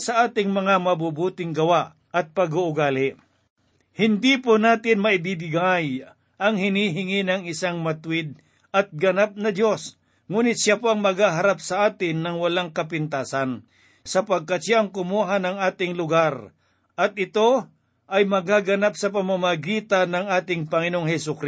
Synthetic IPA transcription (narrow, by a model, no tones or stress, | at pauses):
sɐʔaːt̪ɪŋmɐŋamɐbubuːt̪ɪŋɡɐwaʔ | ɐt̪̚pɐɡuʔʊɡaːlɪ | hɪnd̪iponaːt̪ɪnmɐʔɪbibɪɡaj | ʔɐŋhɪniːɦɪŋɪnɐŋɪsaŋmɐt̪ʊwɪd̪̚ | ʔɐt̪̚ɡɐnap̚nɐd̪jo̞s | ŋuːnɪt̪̚ʃapoʔɐŋmɐɡaːɦɐɾap̚sɐʔaːt̪ɪnːɐŋwɐlaŋkɐpɪnt̪aːsɐn | sɐpɐɡ̚kat̪ʃaʔɐŋkʊmuːɦanɐŋaːt̪ɪŋlʊɡaɾ | ʔɐt̪̚ɪt̪o̞ | ʔɐjmɐɡaɡɐnap̚sɐpɐmamaɡiːt̪anɐŋʔaːt̪ɪŋpɐŋɪnoŋɦɛsʊkɾ